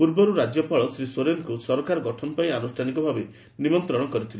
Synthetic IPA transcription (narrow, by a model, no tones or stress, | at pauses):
uɾbɔɾuɾad͡ʒjɔpaɭɔsɾisoɾenɔkusɔɾɔkaɾɔɡɔʈʰɔnɔpaianusʈʰanikɔbʱabe | nimɔnt̪ɾɔɽ̃ɔkɔɾit̪ʰile